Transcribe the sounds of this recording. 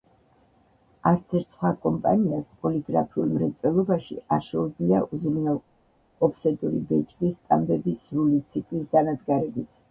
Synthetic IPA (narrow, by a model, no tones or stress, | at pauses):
aɾt̪sʰɛɾt̪sχwakʼɔmpʼa̰niaspʼɔliɡɾapʰiulˠmɾɛt̪sʼɛlˠɔbaʃḭaɾʃɛud̪iaʔuzɾnalˠ | ɔpsɛd̪ʼuɾibɛt͡ʃʼkʼist̪ʼambɛbizɾulit̪sʰikʼlisd̪anad̪ɡaɾɛbit̪ʰ